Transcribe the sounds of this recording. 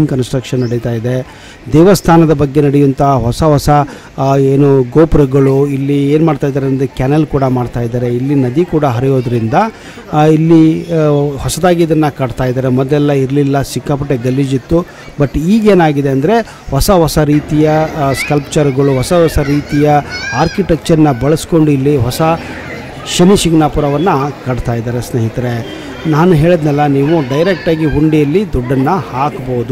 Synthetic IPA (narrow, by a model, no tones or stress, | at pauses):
ŋkɐnsʈɾɐkʂɐnːɐɽit̪aːjid̪e̞ | d̪ɛːʋɐst̪ʰaːnɐd̪ɐbɐɡːe̞nɐɽɛjunt̪ɐɦɔsɐɦɔsɐ | eːnuɡoːpɾɐɡɐɭuilːieːnmaːɖt̪aːjd̪aɾend̪ekaːnɐlkuːɽɐmaːɖt̪aːjid̪aːɾe̞ilːinɐd̪ikuːɽɐɦɐɾijo̞ːd̪ɐɾind̪ɐ | ilːi | hɔsɐd̪aːɡiid̪ɐnːɐkɐɽt̪aːjid̪aːɾemɐd̪ɛlːɐiɾlilːɐsikːaːpɐʈːeɡɐlːid͡ʒit̪ːu | bɐʈːiːɡe̞ːnaːɡid̪e̞ɐnd̪ɐɾe̞ | hɔsɐɦɔsɐɾiːt̪ijɐskɐlpt͡ʃɐɾɡɐɭuɦɔsɐɦɔsɐɾiːt̪ijɐaːɾkiʈek̚t͡ʃɐɾɐnːɐbɐɭɐsko̞ɳɖuilːiɦɔsɐ | ʃɐniʃiɡnaːpuɾɐʋɐnːɐkɐɽt̪aːjid̪aːɾesnɐɦit̪ɐɾe̞ | naːnuɦe̞ːɭid̪nɛlːɐniːʋuɖɐjɾek̚ʈaːɡiɦuɳɖijɐlːid̪uɖːɐnːɐhaːkboːud̪u